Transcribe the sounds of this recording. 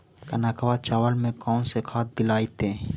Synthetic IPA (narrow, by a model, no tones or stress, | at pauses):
kənaːkəʋat͡ʃaːʋəlmẽkɔːnsekʰaːt̪̚d̪ɪlaːit̪ẽː